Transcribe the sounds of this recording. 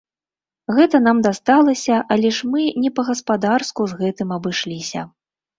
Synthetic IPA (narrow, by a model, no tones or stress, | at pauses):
ɣɛt̪ɐnamd̪ast̪alˠɐsʲɐʔalʲɛʂmɨnʲɛpɐɣɐspad̪arskuzɣɛt̪ɨmɐbɨʂlʲisʲɐ̰